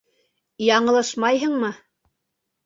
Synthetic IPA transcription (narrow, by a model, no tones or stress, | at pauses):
jɑɴɤ̆lˠɤʃmɑjɦɤɴmɤ